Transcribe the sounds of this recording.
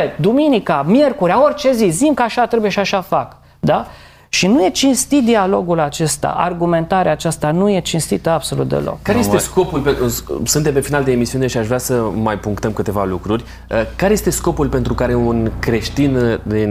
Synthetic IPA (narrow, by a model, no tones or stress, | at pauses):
ed̪uminikamje̞rkuɾʲao̞rʲt͡ʃe̞zizimkəaʃat̪ɾebujeʃiaʃafak | d̪a | ʃinuje̞t͡ʃinst̪it̪̚d̪ialo̞ɡulat͡ʃe̞st̪a̰ʔa̰rɡume̞nt̪aɾeaːt͡ʃast̪anuje̞t͡ʃinst̪it̪əabso̞lṵt̪̚d̪ḛlo̰kkːaɾejest̪esko̞pulpesɨnt̪empefinald̪eːmisiune̞ʃiaʃvɾeasəmajpuŋkt̪əmkɨt̪e̞valukɾurʲ | əkaɾe̞je̞st̪e̞sko̞pulpe̞nt̪ɾukaɾeunkɾe̞ʃt̪ind̪i